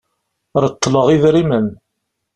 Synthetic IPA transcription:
ɾˤət̪ːləʁiðɾimən

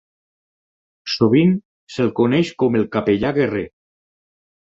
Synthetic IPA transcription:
soβ̞in | selkoneʃkɔmelˠkapeʎaɣere

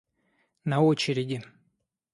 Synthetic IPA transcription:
nɐot͡ɕɪɾʲɪdʲɪ

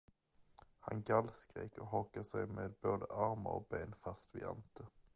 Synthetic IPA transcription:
ha̰nɡalskɾḛkɔɦɔkːaʂɛjmeːd̪̚boːd̪əʔaɾma̰ɾɔ̰k̚beːnfast̪vɪa̰nt̪ə

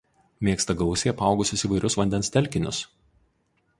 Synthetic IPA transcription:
mʲeɛkst̪ɐɡɒʊsʲeːjɐpɑˑʊɡʊsʲʊsiːʋɐɪɾʲʊsʋɐnʲd̪ʲɛnst̪ʲɛlʲˑkʲɪnʲʊs

